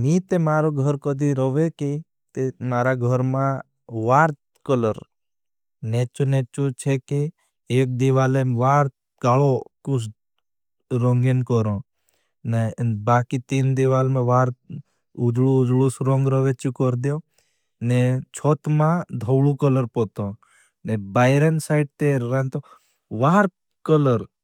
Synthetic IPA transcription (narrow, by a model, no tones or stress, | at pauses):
niːt̪emaːɾoɡʱɔɾkɔd̪ʱiɾɔʋeki | t̪emaːɾaɡʱəɾmã | ʋaːɾt̪ | kɔləɾ | neːt͡ʃoneːt͡ʃot͡ʃʰeke | eːk̚d̪iʋaːleʋaːɾt̪ | ɡaːlokus | ɾɔŋɡenkɔɾõː | nabaːkit̪iːnd̪iʋaːlmẽʋaːɾ | ʊd͡ʒɭuʊd͡ʒɭusɾɔ̃ŋɡɾɔʋet͡ʃukɔɾd̪joː | net͡ʃʰoːt̪mãd̪ʱɔwɭukɔləɾpɔt̪õː | nebaːɪɾensaɪɖ̚t̪eːant̪o | ʋaːɾ | kɔləɾ